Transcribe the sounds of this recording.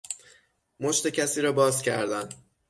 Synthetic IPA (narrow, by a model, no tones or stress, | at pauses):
moʃt̪e̞cʰæsiːɾɒːbɒːzcʰæ̰ɾd̪æn